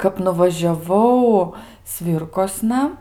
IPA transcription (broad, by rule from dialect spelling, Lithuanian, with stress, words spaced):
kɐp nʊʋɐʒʲɛˈʋɐʊ ˈsʲʋʲiːrkoːsnɐ